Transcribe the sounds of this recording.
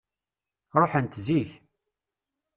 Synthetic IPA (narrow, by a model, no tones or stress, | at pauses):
ɾˤoħənt̪ziç